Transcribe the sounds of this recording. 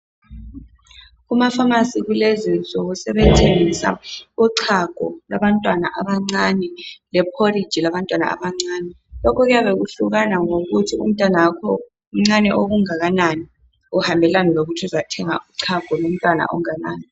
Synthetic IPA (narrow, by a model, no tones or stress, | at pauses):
ɣumafamasiɣulezint͡sʼɔɣusɛβɛtʰeŋisa̰uǀʰaɡ̥ʱɔ̰laβantʼwanaʔaβaŋ͡ǀanɛlɛpʰorid̥d͡ʒ̥ʱilaβantʼwana̰a̰βaŋ͡ǀaːnɛ | lɔkʰɔɣujaβeɣuɬuɣanaŋoɣutʰiṵm̩tʼanaakʰɔ | m̩ŋ͡ǀanɛʔoɣuŋaɣanani | uhambʱɛlanɛloɣutʰiuzatʰɛŋa̰ʔuǀʰaɡ̥ʱɔlom̩tʼwana̰ʔɔ̰ŋanaːni